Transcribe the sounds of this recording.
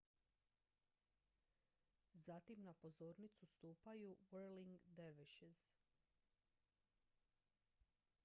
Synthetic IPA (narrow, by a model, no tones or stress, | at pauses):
zat̪imnapo̞zo̞ːɾnit̪sust̪uːpajuweɾliŋɡd̪eɾʋiʃiz̥